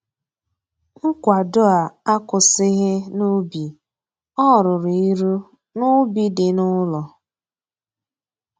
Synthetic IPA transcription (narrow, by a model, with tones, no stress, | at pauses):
ŋ̩˦kʷa˨dʊ˦a˨a˦kʊ˨sɪ˦ɣɪ˦nʊ˦bi˨ | ɔ˦˨ɾʊ˨ɾi˨i˦ɾu˦ | nʊ˦bi˦dɪ˨nʊ˦lɔ˨